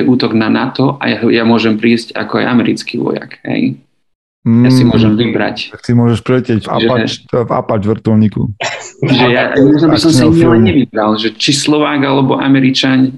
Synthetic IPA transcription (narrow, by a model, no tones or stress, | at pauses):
ɛʔuːt̪ɔɡnanat̪ɔa̰jajamʊɔʒɛmpɾiːsca̰kɔa̰jamɛɾit͡skiʋɔ̰ja̰kɦɛ̰j | jasimʊɔʒɛmvibɾa̰caksimʊɔʒɛʃpɾɛcɪɛɟva̰ʒɛva̰pad͡ʒʋr̩t̪ɔlɲikṵʒɛjaɔbisɔmsiɲlɛnɲɛʋibɾalʒɛt͡ʃislɔʋaːɡalɛbɔʔa̰mɛɾit͡ʃaɲ